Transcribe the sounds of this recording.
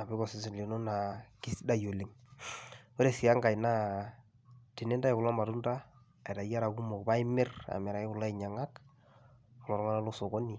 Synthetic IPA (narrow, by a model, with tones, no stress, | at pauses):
a˨bɪ˦kɔ˨sɪ˦sɪ˨li˨no˦na˨ki˦sda˦jo˨le˦ŋ | wo˦ɾe˨sɪ˨a˦ŋɡa˨jna˦ | tɪ˨ne˦nda˦ɪ˨kʊ˨la˦ma˨tʊ˦ndaː˦˨ | jta˨ja˦ɾa˨ku˦mɔ˨kba˦ɪ˦mɪ˦ra̰˨mɛ˨ɾa˨ɪ˦ʊ˨la˦ɪ˨ɲa˨ŋa˦k | ʊ˨lɔ˨ɾŋa˦na˦lo˦so˨kɔ˦ni˨